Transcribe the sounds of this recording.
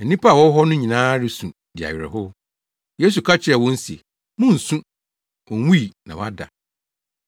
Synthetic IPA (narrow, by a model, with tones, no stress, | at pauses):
ɛ˨nĩ˦pʰa˦˨wɔ˦ɦɔ˦nʊ̃˦ɲĩ˨nãː˦ɾɪ˨sũ˨ | dɪ˨a̰˨ɥɪ˨ɾɛ̰˨hɦʊ˦ | je˦s̬u˨kʰa˦t͡ɕʰɪ˨˦ɛ˨wɔ̃˦n̩˦si˨e˨ | mʊ̃˦n̩˨sũ˦ | wɔ̃˨˦wu˦i˨nã˨wa˦da̰˨